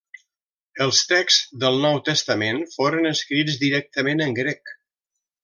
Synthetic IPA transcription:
əlˠst̪ɛksðəlˠnɔwt̪əst̪əmenfoɾənəskɾid͡zd̪iɾɛk̚t̪əmenəŋɡɾɛk

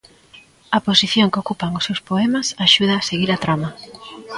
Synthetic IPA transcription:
ɐposiθjoŋkokupaŋʊsːewspoɛmɐsaʃuð̞ɐːseɣiɾɐt̪ɾamɐ

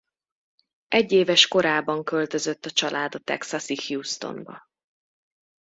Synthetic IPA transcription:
ʔɛɟːeːvɛʃko̞ɾaːbɒŋkølt̪øzøt̪ːɒt͡ʃɒlʔaːd̪ɒt̪ɛ̰ksɒsihjuːst̪o̰mbɒ̰

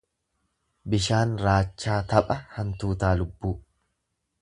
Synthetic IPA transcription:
bɪʃaːnɾaːt͡ʃːaːt̪ɐpʼɐhɐnt̪uːt̪aːlʊbːuː

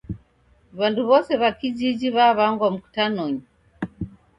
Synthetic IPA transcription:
βanduβɔsɛβakid͡ʒid͡ʒiβaβaŋɡwam̩ku̥tanɔɲi

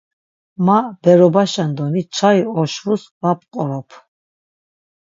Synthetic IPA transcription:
mab̥ɛɾɔbaʃand̪ɔnit͡ʃʰaiɔʃvusvap̚qʼɔɾɔpʰ

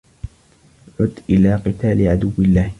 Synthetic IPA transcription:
ʕʊd̪ʔɪlaːqɨt̪aːlɪʕad̪ʊwːɪlːaːh

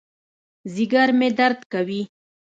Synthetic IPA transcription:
ziɡaɾmed̪aɾd̪kawi

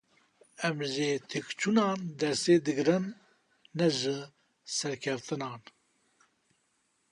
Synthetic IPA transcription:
ɛmʒeːt̪ʰekt͡ʃʰunɑːnd̪ɛɾseːd̪ɨɡɨɾɨnː | ɛʒɨ | sɛɾkʰɛft̪ɨnɑːn

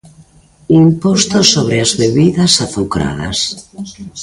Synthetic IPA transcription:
impɔst̪osːoβ̞ɾeazβeβiðɐsaθukɾa̰ðɐ̰s

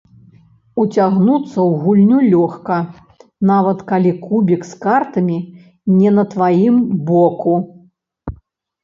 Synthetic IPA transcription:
ut͡sʲaɣnut̪sːɐwɣulʲnʲulʲɔxkɐ | navɐt̪kalʲikubʲikskart̪ɐmʲi | nʲɛnɐt̪vajimbɔku

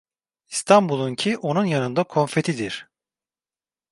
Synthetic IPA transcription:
ist̪ʰambulˠuncʰiʔo̞nunjanɯnd̪akʰo̞ɱfe̞t̪ʰid̪iɾ̥

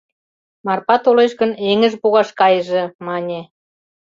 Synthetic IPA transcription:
mɑrpɑt̪oleʃɣə̆neŋə̆ʒpuɣɑʃkɑjəʒemɑnʲe

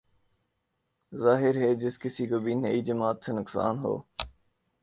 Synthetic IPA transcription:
zaːɦɪɾɦeːd͡ʒɪskɪsikoːbinɐid͡ʒəmaːt̪senʊksa̰ːnɦo̰ː

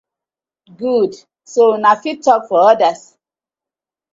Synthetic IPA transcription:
ɡud | sonafitːɔkfɔɔdas

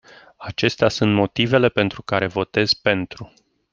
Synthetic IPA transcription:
at͡ʃe̞st̪easunt̪mo̞t̪ive̞le̞pe̞nt̪ɾukaɾe̞vo̞t̪e̞zpe̞nt̪ɾu

